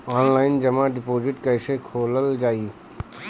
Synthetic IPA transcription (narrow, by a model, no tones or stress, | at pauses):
ɔːnlaːɪnd͡ʒɐmãɖɪpoːd͡ʒɪʈkəɪsekʰoːləld͡ʒaːi